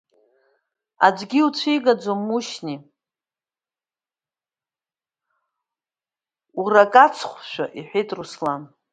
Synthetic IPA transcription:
ad͡ʒʷɡʲiut͡ɕʷʰijɡad͡zommːuʃni | urakʼat͡sʰχʷʃʷᶣaʔiħʷᶣejtʰʼruslan

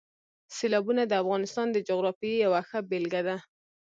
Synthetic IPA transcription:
selɑbunad̪əafɣɑnɪst̪ɑnd̪əd͡ʒoɣɾɑfijawaxəbelɡad̪a

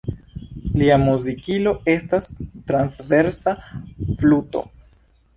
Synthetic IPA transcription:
liamuzikilo̞e̞stastɾansve̞ɾsafluto̰

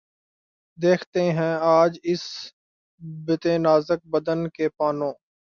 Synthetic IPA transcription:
d̪eːkʰt̪eɦɛ̃aːd͡ʒɪs | bɪt̪ẽːnaːzək̚bəd̪ənkepaːnõː

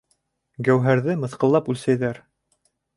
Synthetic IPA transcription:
ɡæwɦæɾðɘmɤ̆θqɤ̆lˠːɑpʉlsæjðæɾ

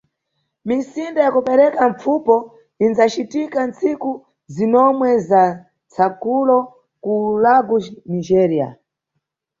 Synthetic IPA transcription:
minsindajakupɛɾɛkaɱp͡fupɔ | inzat͡ʃitikant͡siku | zinɔmwɛza | t͡sʰakulɔ | kuulaɡunid͡ʒɛɾia̰

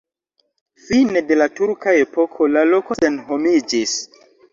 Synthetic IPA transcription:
fine̞de̞latuɾkae̞po̞kʰo̞lalo̞ko̞senɦo̞mid͡ʒis

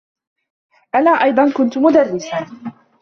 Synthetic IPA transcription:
ʔanaːʔɑjd̪ˤɑnkʊnt̪ʊmʊd̪arːɪsa

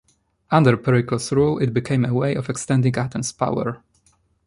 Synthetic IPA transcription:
ʔãndəɹpɛɹɪklɔsɹulɪt̚bɨkʰẽɪ̃məweɪʔɔvɛkst̪ɛ̃ndĩŋatɛ̃mspa̰wə̰ɹ

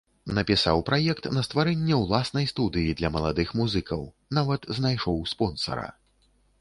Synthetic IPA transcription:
nɐpʲisawpɾajɛkt̪nɐst̪vaɾɛnʲːɛwlˠasnɐjst̪ud̪ɨjid̪lʲɐmɐlˠad̪ɨxmuzɨkɐw | navɐt̪znajʂɔwspɔnsɐ̰ɾɐ̰

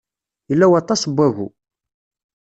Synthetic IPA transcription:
jəlːæwɑt̪ˤɑsbːæɣṵ

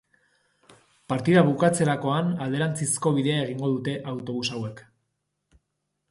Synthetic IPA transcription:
paɾt̪iðaβukat͡se̞ɾako̞anald̪e̞ɾant͡sisko̞βiðe̞ae̞ɣ̞iŋɡo̞ðut̪e̞ʔawt̪o̞βusawe̞k

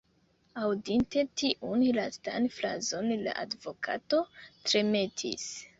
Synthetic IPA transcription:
awdinte̞tiʔunlasta̰nfla̰zo̞nla̰ʔadvo̞kʰa̰to̞tɾe̞me̞tʰḭs

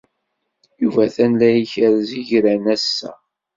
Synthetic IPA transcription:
juvæθænlæjiçəɾziʝɾænæsːæ̰

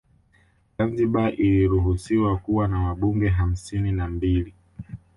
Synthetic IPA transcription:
zanziɓaʔiliɾuɦusiwakuwanawaɓuŋɡɛɦam̩sininambili

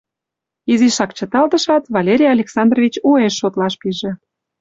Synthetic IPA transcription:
iziʃɑkt͡ɕə̆t̪ɑld̪əʃɑt̪βɑlʲeɾʲijɑlʲeksɑnd̪rovʲit͡ɕueʃːot̪lɑʃpiʒĕ

